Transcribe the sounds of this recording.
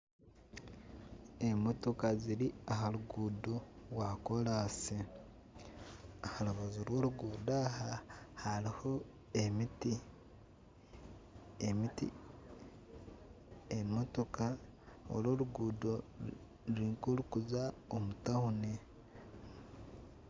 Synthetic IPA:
emoto̞kaziɾiaɦaluɡuːdowako̞laːsi | ahaloβazoɾwo̞ːɾuɡuːdahahaɾiho̞ | emiti | emitḭ | emoto̞ka | o̰lwo̞ːluɡuːdo | ɾuiŋkulukuzaomutahune

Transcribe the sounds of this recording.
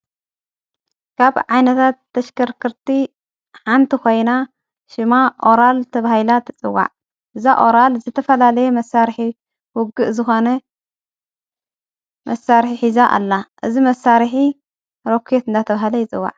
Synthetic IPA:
kʰaβʕajnɐt̪ʰat̪ːɐʃkɐɾkʰɨɾt̪i | ħant̪ʰikʰo̞jna | ʃɨmaʔo̞ɾalt̪ʰɐβahɨlat̪ʰɨt͡sʼɨwːa̰ʕ | ʔɨzaʔo̞ɾalzɨt̪ʰɐfɐlalɐjɛmɐsaɾħi | wʊɡɨʔzɨxo̞nɐ | mʔɐsaɾħiħizaʔa̰lːaʔɨzimɐsaɾħi | ɾo̞kʰet̪ɨnd̪at̪ʰɐβahɐlɐjɪt͡sʼɨwːa̰ʕ

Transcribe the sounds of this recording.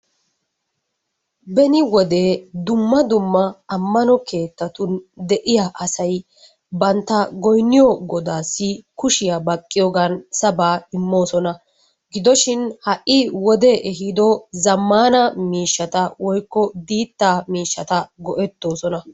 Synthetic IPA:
bɛnɪwɔd̪e̞ːd̪ʊmːɐd̪ʊmːɐɐmːɐnɔkʰe̞ːt̪ːɐt̪ʊnd̪ɛʔɪjaʔɐsɐj | bɐnt̪ːɐɡɔjnːɪjɔɡɔd̪aːsːɪkʊʃɪjɐbɐkʼːɪjɔɡɐnsɐbaːɪmːo̞ːsɔnɐ | ɡɪd̪ɔʃɪnhɐʔːɪwɔd̪eːʔɛɦɪd̪ɔzɐmːaːnɐmiːʃːɐt̪ɐwɔjkːɔd̪iːt̪ːaːmiːʃːɐt̪ɐɡɔʔɛt̪ːo̞ːsɔnɐ

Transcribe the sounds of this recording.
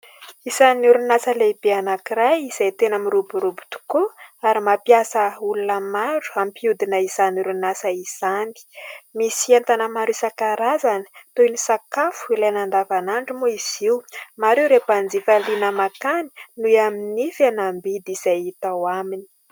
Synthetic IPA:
isanuɾunasəleibeanakirajiz̥ajt̪enamiɾubuɾubu̥t̪u̥koaɾimapjasəulunəmaɾu̥ampiud̪inəizanuɾunasəiz̥ani̥misant̪anəmaɾusakaɾazanə̥t̪onisakafu̥ilajnand̪avanaɳɖ͡ʐimuiz̥iwmaɾewɾepand͡zifalinəmakani̥nuaminifanambid̪iz̥ajit̪awamini̥

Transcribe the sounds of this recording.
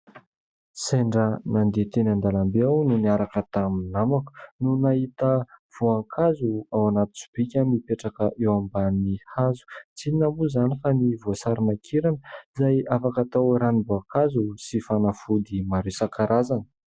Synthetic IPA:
seɳɖ͡ʐənand̪et̪enand̪alambeawnuniaɾakət̪aminamaku̥nunaɦit̪əv̥oaŋkʰazuawanat̪u̥t͡su̥b̥ikʲanipeʈ͡ʂakəʔewambanihazu̥t͡sinamuzanifanivosaɾinakʰeɾanəzajafakat̪awɾaniboaŋkazusifanafud̪imaɾesakaɾazanə̥

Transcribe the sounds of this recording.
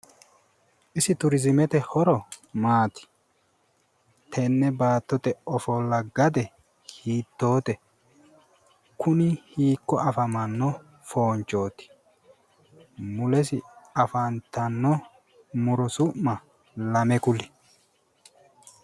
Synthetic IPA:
ʔɪsɪt̪ʊɾɪzɪmɛt̪ɛhɔɾɔmaːt̪ɪ̥ | t̪ʰɛnːɛbaːt̪ːɔt̪ɛɔfɔlːɐɡɐd̪ɛ | hiːt̪ːo̞ːt̪ɛ | kʊnɪhiːkːɔʔɐfɐmɐnːɔ | fo̞ːnt͡ʃʼːo̞ːt̪ɪ̥ | mʊlɛs̬ɪɐfɐnt̪ɐnːɔ | mʊɾɔsʊʔmɐ | lɐmɛkʊlɪ

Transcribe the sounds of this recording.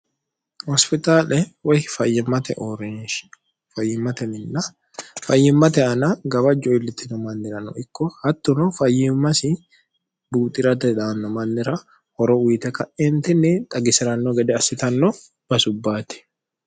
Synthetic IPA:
hɔspɪt̪aːlɛwɐjfɐjːɪmːɐt̪ɛ̰ʔɔɾɛnʃ | fɐjːɪmːɐt̪ɛmɪnːɐ | fɐjːɪmːɐt̪ɛɐnɐɡɐbɐd͡ʒɔɪlːɪt̪ːɪnɔmɐnːɪɾɐnɔ̰ɪkːɔhɐt̪ːʊnɔfɐjːɪmːɐsɪ | buːt̪ʼɪɾɐt̪ɛᶑ̪anːɔmɐnːɪɾɐ | hɔɾɔwiːt̪ɛkɐʔɛnt̪ɪnːɪt̪ʼɐɡɪsɪɾɐnːɔɡɛd̪ɛɐsɪt̪ɐnːɔ | b̥ɐsʊbːaːt̪ɪ̥

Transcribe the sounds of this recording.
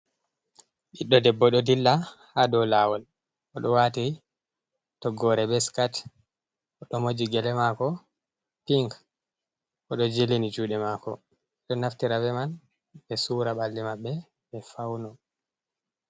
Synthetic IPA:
ɗiɗːɔdɛbːɔɗɔdilːahadɔlawɔl | ʔɔɗɔwati | tɔɡɔɾɛbɛskat | ʔɔɗɔmod͡ʒiɡɛlɛmakɔ | piŋk | ʔɔɗɔd͡ʒelinid͡ʒuːɗɛmakɔ̰ | ɗɔnaftiɾavɛman | bɛsuːɾaɓalːimabːɛ | bɛfawnɔ

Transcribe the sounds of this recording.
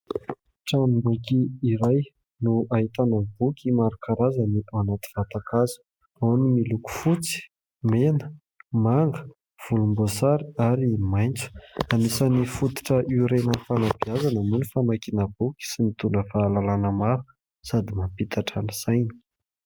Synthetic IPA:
ʈ͡ʂanimbukiːɾaj | nuaɦit̪anəbukʲimaɾukaɾazaniʔanat̪i̥v̥at̪akazu̥ | awnimiluku̥fut͡si̥ | menə̥ | maŋɡə̥ | v̥ulumbosaɾiaɾimajnt͡sə̥anisanifut̪i̥ʈ͡ʂəʔiɾenənfanabiazanəmunifamajkinəbukʲi̥sinit̪uɳəfaːlalanəmaɾu̥ | sad̪imapit̪ʰaʈ͡ʂanəz̥ajni̥

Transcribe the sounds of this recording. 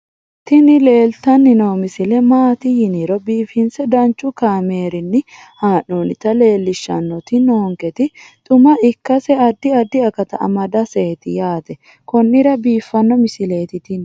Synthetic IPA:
t̪ɪnɪle̞ːlt̪ɐnːɪnoːmɪsɪlɛmaːt̪ɪjɪniɾɔbiːfɪnsɛd̪ɐnt͡ʃːʊkaːme̞ːɾɪnːɪ | haːnuːnɪt̪ɐle̞ːlːɪʃːɐ̰nːɔt̪ɪnoːŋkɛt̪ɪt̪ʼʊmɐɪkːɐsɛɐd̪ːɪɐd̪ːɪɐkɐt̪ɐɐ̰mɐd̪ɐseːt̪ɪjaːt̪ɛ | kɔnːɪɾɐbiːfːɐnːɔmɪsɪle̞ːt̪ɪt̪ɪn

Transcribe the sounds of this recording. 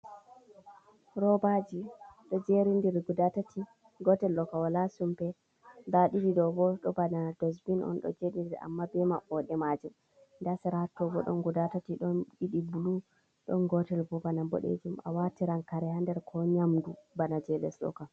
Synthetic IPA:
ɾɔbad͡ʒiɗɔd͡ʒeɾindiɾɡudatati | ɡɔtɛlːɔkawalasumpɛ | daɗididɔbɔɗɔbanadɔsbinʔɔ̰nɗɔ̰d͡ʒeɗidiɾa̰mːabɛma̰ʔɔɗɛmad͡ʒum | ndasɛɾahatːɔbɔɗɔ̰nɡudatatiɗɔɗiɗibulu | ɗɔnɡɔtɛlbɔbanabɔ̰ɗḛd͡ʒuma̰watiɾankaɾɛhandɛɾkʰɔɲamdubanad͡ʒɛlɛ̰slɔ̰ka

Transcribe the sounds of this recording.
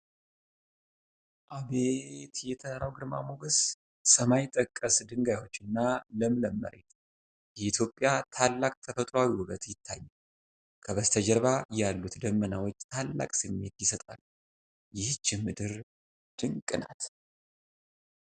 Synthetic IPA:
ʔaβet̪jɛt̪ʰəɾawɡɨɾma̰moɡəs | səmajɪt̪ʼːəkʼːəsd̪ɨŋɡajwo̞t͡ʃːɨnːaləmɨləmːə̰ɾḛt̪ | jɛit̪ʰjo̞pʼːjat̪ʰalːakʼt̪ʰəfət̪ʼɾoawiwʊɡət̪jɪt̪ʰːajːɛ | kʰəβəst̪ʰəd͡ʒəɾβajalːut̪d̪əmːənawot͡ʃːt̪ʰalːa̰kʼsɨmːe̞t̪jɪsət̪ʼa̰l | jɪht͡ʃːɪmːɨd̪ɨɾ | d̪̥ɨŋkʼːɨna̰t̪

